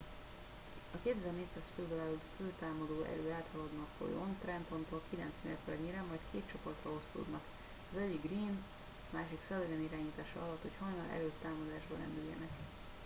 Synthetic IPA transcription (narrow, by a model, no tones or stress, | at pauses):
ɒkeːt̪ɛzɛrneːt̪saːsføld̪olaːlud̪følt̪aːmɒd̪oːʔɛ̰ɾøːaːt̪hɒlɒd̪nɒkfo̰jo̰nt̪rɛnt̪ont̪oːlkilɛnt̪smḛːrt̪ɛrɲiɾɛmːɒjt̪kʰeːt̪t͡ʃo̞po̞rt̪rɒo̞st̪o̰ːd̪nɒk | ɒzɛɟːiɡɡriːn | maːʃiksɛlːɛɡɛniɾaːɲiːt̪aːʃɒɒlɒt̪ho̞chɒjnɒlʔɛ̰løːt̪ːaːmɒd̪aːʒbɒɾɛ̰nd̪yjːɛ̰nɛk